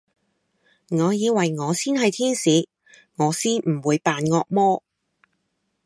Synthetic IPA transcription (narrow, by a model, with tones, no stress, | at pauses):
ŋɔː˨˧jiː˨˧wɐ˨˩jŋɔː˨˧siː˥nɦɐ˨jt̪ʰiː˥nsiː˨˥ | ŋɔː˨˧siː˥nm̩˨˩wuː˨˧jpaː˨nŋɔː˧k̚mɔː˥